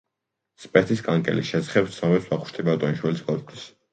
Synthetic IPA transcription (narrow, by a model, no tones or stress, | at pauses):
spʼɛt̪ʰiskʼaŋkʼɛ̰liʃɛzaχɛpt̪sʰamɛpswaχu̥ʃt̪ʰʼibat̪ʼɔniʃwɛlisɡɔlt̪ʰis